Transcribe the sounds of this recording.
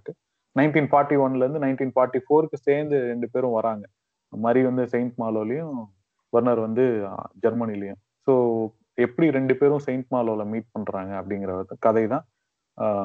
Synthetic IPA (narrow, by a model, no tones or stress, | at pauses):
kːɯ | nɐɪnʈiːnfaːɾʈːiʋɐnlɐɾɯnd̪ɯnɐɪnʈiːnfaːɾʈːifoːɾɯkːɯseːɾnd̪ɯɾɛɳɖɯp̬eːɾʊ̃ʋɐɾaːŋɡɐ | maɐːɾiʋɐnd̪ɯsɛɪɳʈmaːloːlɐjʊ̃ | ʋɐɾnɐɾʋɐnd̪ɯd͡ʒɐɾmɐnɪlːɐjʊ̃ | soː | ɛpːɐɽiɾɛɳɖɯpeːɾʊ̃sɛɪɳʈ̚maːloːlɐmiːʈ̚pɐɳɾaːŋɡɐːpːɐɽɪŋɡɪɾɐkɐðɐɪðãː